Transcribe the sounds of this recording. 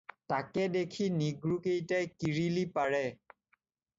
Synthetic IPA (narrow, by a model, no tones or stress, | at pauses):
takɛdekʰiniɡɹukejtajkiɹilipaɹɛ